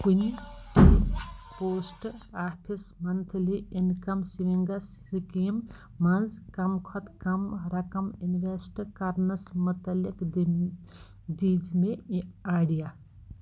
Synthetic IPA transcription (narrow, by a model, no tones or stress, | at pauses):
kunt̪ʰipoːsʈaːpʰismɐnt̪ʰliʔinkɐmsiʋiŋɡɐssikiːm | mɐnzkɐmkʰɔt̪kɐmɾɐkɐminʋesʈkɐɾnɐsmɐt̪ɐlikd̪ | d̪iːd͡ʒmeaːɖija